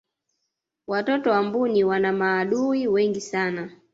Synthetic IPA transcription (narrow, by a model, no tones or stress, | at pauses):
watɔtɔwambuniwanamaːɗuiwɛŋɡisana